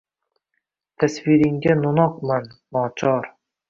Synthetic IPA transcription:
t̪ʰasvɪɾɪŋɡʲanʊnɒqmanːɒt͡ʃʰɒɾ

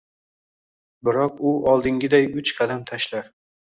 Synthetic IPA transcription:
bɪɾɒq̚ʊɒlˠd̪ɪŋɡʲɪd̪ajʊt͡ʃqʰɑd̪amt̪ʰaʃlaɾ

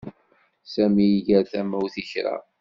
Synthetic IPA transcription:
sæmijiʝəɾθæmæwθiçɾa̰

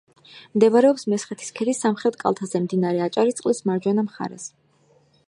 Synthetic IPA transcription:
md̪ɛvaɾɛɔpsmɛsχɛt̪ʰi̥skʰɛd̪isamχɾɛt̪kʼa̰lˠt̪ʰazɛmd̪inaɾɛat͡ʃʼaɾit̪sʼqʼlismaɾd͡ʒwɛnamχa̰ɾɛ̰s

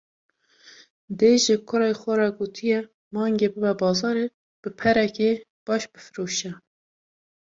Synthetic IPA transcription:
d̪eʒɪkʰʊɾɑːjxʷɛɾɑɡoːt̪ʰijɛ | mɑːŋɡebɨbɛbɑːzɑːɾe | b̥ɨpʰɛɾɛke | b̥ɑːʃbɨfɨɾuːʃɛ

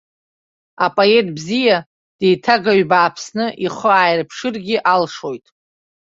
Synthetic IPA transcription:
apʼoe̞tʼbzija | d̥e̞jtʰaɡaɥbaːpʰsnɨʔiχəaːjrpʰʂɨrɡʲɪʔalʂo̞jtʼ

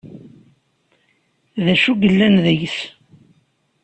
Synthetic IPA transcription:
ðæʃuɡəlːænðəjθ

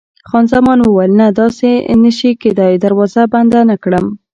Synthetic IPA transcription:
xɑnzamɑnwəwajlnad̪ɑsenəʃiked̪ɑjd̪aɾwɑzaband̪anakɽəm

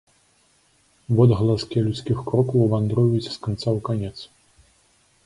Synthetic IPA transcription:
vɔd̪ɣɐlˠaskʲɛlʲut̪skʲixkɾɔkɐwvand̪ɾɔjusʲskant̪sawkanʲɛt̪s

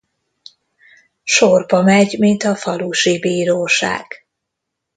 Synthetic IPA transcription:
ʃorbɒmɛɟmint̪ɒfɒluʃibiːɾoːʃa̰ːɡ̥

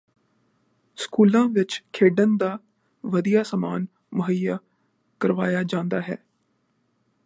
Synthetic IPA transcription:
skuːlãːʋɪt͡ʃkʰeːɖənd̪aː | ʋəd̪ijaːsamaːn | mʊɦəjaː | kəɾʋaːjaːd͡ʒãːnd̪aːɦɛ̰ː

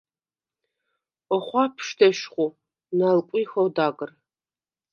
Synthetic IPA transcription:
ɔχʷɑːpʰʃtʰɐʃχʷʊ | nalkʷʼiːxɐwdaːɡɨr

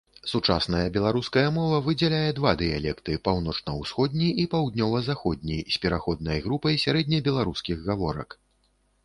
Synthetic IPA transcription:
sut͡ʂa̰snɐjɐbʲɛlˠaɾuskɐjɐmɔvɐvɨd͡zʲɛlʲajɛd̪vad̪ɨjalʲɛkt̪ɨpawnɔt͡ʂnɐwsxɔd̪̚ʲnʲiʔipawd̪nʲɔvɐzaxɔd̪̚ʲnʲisʲpʲɛɾaxɔd̪̚nɐjɣɾupɐjsʲaɾɛd̪̚ʲnʲɐbʲɛlˠaɾuskʲiɣːavɔɾɐ̰k

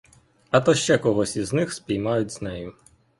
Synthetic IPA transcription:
ɐt̪ɔʃt͡ʃɛkɔɦɔsʲiznɪxspʲijmɑjʊtʲz̥nɛjʊ

